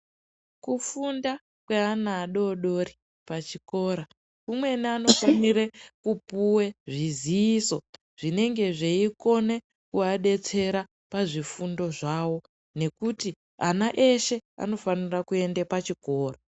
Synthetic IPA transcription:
kufunda | kweanaːɗo̞ɗo̞ri | pat͡ʃiko̞ːɾa | kumwe̞niano̞faniɾekupuwe̞ʐiziːso̞ | ʐ̥ine̞ŋɡe̞ʐeiko̞ne̞ | kuaɗe̞t͡se̞ɾa | paʐifundo̞ʐaːwo̞ | ne̞kuti | anaʔe̞ʃe̞a̰no̞fanirakue̞ndepat͡ʃiko̞ːra

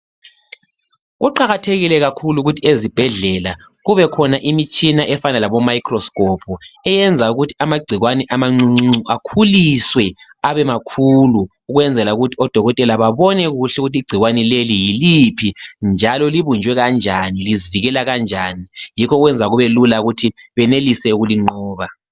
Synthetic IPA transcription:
ɣuǃaɣatʰeɣilɛɣakʰuluɣutʰiezib̥ʱɛɮɛla | ɣuβɛkʰɔnaʔimit͡ʃʰʼinaʔɛfanalaβɔmaikʰrɔskʼɔpʰɔɛjɛnd͡zʱauɣutʰi̥amaɡ͡ǀʱiɣwanɛʔamaŋ͡ǀuŋ͡ǀŋ͡ǀuakʰuliswɛaβɛmakʰuluːɣwɛnd͡zʱɛlauɣutʰiɔd̥ʱɔɣɔtʼɛlaβaβɔnɛɣuɬɛuɣutiːɡ͡ǀʱiɣwanɛlelijilipʰind͡ʒʱalɔliβund͡ʒʱwɛɣand͡ʒʱaniliziviɣɛlaɣand͡ʒʱaːnijikʰɔɣwɛnd͡zʱaɣuβɛlulaɣutʰiβɛnelisɛuɣuliŋ͡ǃɔːβa

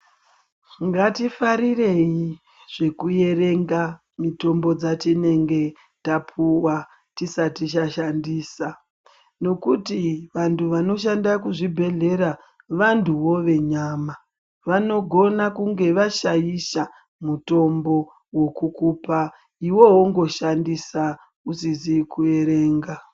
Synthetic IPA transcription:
ŋɡatifaɾire̞ji | ʐ̥e̞kuje̞re̞ŋɡa | mito̞mbo̞d͡zatine̞ŋɡe̞ | tapʰuwa | tisatiʃ̬aʃandiːsa | no̞kutiʋantʰuʋano̞ʃ̬andakuʐibʱe̞ɮe̞ɾa | ʋantuwo̞ʋe̞ɲaːma | ʋano̞ɡʱo̞nakuŋɡe̞ʋaʃajiʃa | muto̞mbo̞ | wo̞kukuːpa | iwo̞ɦoŋɡo̞ʃandisa | usizikue̞ɾe̞ːŋɡa

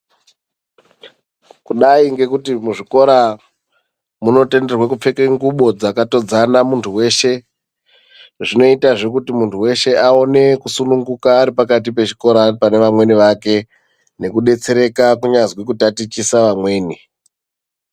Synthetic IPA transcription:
kuɗaiŋɡe̞kutimuʐiko̞ɾa | muno̞te̞nde̞rwekup͡fekeŋɡuɓo̞d͡zakato̞d͡zanamuntʰuwe̞ʃe̞ | ʐino̞itaʐe̞kutimuntuwe̞ʃe̞ʔao̞ne̞kusunuŋɡukaːɾipakat̬ipe̞t͡ʃi̥ko̞ɾapane̞ʋamwe̞niʋake̞ | ne̞kuɗe̞t͡se̞ɾe̞kakuɲazwikutatit͡ʃisaʋamwe̞ːni

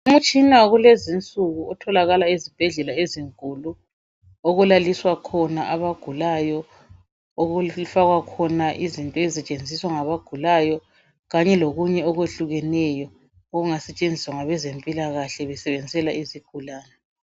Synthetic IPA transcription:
umut͡ʃʼinaɣulezint͡sʼuɣuɔtʰɔlaɣalaezib̥ʱɛɮɛlaeziŋkʼulu | oɣulaliswakʰɔnaʔaβaɡ̥ʱulajɔ | oɣufaɣwakʰɔnaʔizintʼɔezɛt͡ʃʼend͡zʱiswaŋaβaɡ̥ʱulaːjɔ | ɣaɲɛloɣuɲɛɔɣweɬuɣɛnɛjɔ | oɣuŋasɛt͡ʃʼend͡zʱiswaŋaβɛzempʼilaɣaɬɛβɛsɛβend͡zʱɛlaiziɡ̥ʱulaːnɛ

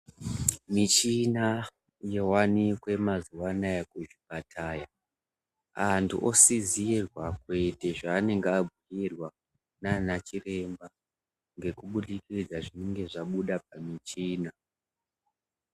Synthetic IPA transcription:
mit͡ʃina | je̞wanikwe̞mazuwanajekuʒipatʰaːja | antʰṵʔosiziirwakwe̞te̞ʐaːne̞ŋɡeabʱiirwa | nanat͡ʃire̞mba | ŋɡe̞kuɓuɗikid͡zaʐine̞ŋɡe̞ʐaɓuɗap̚amit͡ʃiːna

